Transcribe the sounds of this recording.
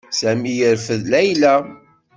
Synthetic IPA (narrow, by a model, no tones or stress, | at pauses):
sæmijəɾfəðlæjlæ